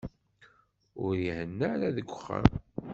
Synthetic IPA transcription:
ʊɾihənːəɾæðəɡʷːəχːa̰m

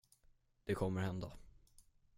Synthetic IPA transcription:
d̪̥ɛkʰɔmːəɾhɛnd̪a

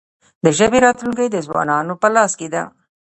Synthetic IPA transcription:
d̪əʒəbeɾɑt̪luŋkəjd̪əzwɑ̰nɑnopəlɑsked̪a̰

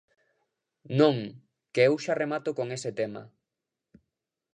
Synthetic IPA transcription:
nõŋ | keewʃaremat̪ʊkoŋesɪt̪ema̰

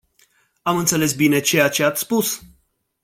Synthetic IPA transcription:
amɨnt̪se̞le̞sbine̞t͡ʃejat͡ʃe̞at̪sʲspus

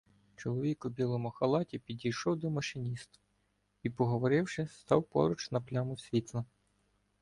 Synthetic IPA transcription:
t͡ʃɔlˠɔʋʲikʊbʲilˠɔmʊxɐlˠɑtʲipʲid̪ʲijʃɔwd̪ɔmɐʃɪnʲist̪ | ipɔɦɔʋɔɾɪwʃɪst̪ɑ̰wpɔ̰ɾʊt͡ʃnɐplʲamʊsʲʋʲit̪lˠɐ

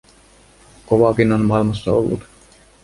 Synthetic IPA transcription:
koʋɑkinonmɑilmɑsːɑo̰lːṵt̪

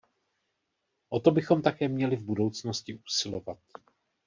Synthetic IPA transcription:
ʔo̞t̪o̞bɪxo̞mt̪akɛːmɲɛlɪvbudo̞wt͡sno̞scɪʔuːsɪlo̞vat̪̚

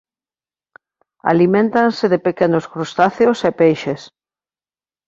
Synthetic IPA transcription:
a̰limẽnt̪ansɪðepekenoskɾost̪aθeosepejʃes

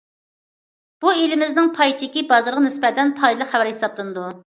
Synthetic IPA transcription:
b̥uelɪmɪznɪŋpʰɑjt͡ʃ̪ʰikʲibɑzɑɾʁɑnɪsbɛt̪ɛnpʰɑjlˠəqχɛvæɾhesɑplˠɨnɨd̪u

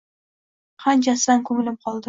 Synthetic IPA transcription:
qʰɑnt͡ʃasankʰɵmɪlɪp̚qʰɒlˠd̪ɪ

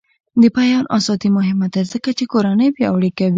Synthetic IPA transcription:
d̪əpajɑnʔa̰sɑt̪imʊɦɪmad̪azəkat͡ʃekoɾanəjbjɑaɽikawi

